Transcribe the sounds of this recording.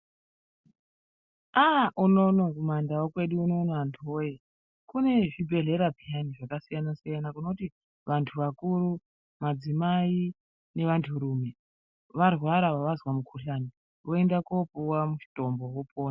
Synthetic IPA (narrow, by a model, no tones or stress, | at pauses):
aunonokumandawokwe̞ɗuːnonoantʰoje | kune̞ʐibʱe̞ɮe̞ɾapijaniʐakasijanasijanakuno̞uti | ʋantʰuʋakuɾu | mad͡zimai | ne̞ʋantʰuɾuːme̞ | ʋarwaɾaʋaʋazwamukʰuɬaːni | ʋo̞e̞ndakopuwamuʃi̥to̞mbo̞wopoːna